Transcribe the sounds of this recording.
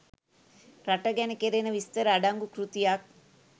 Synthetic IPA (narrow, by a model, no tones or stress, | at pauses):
ɾaʈəɡɛnəkeɾenəʋist̪əɾəːɖaŋɡukɾut̪ijak̚